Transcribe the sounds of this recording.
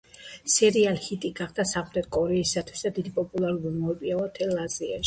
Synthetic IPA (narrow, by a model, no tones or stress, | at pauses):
sɛɾialhit̪ʼiɡaχd̪̥asaχɾɛt̪̚kʼɔɾɛisat̪ʰwi̥sd̪ad̪id̪ipʼɔpʼulˠaɾuɾimɔpʼiaat̪ʰɛlazia̰ʃi̥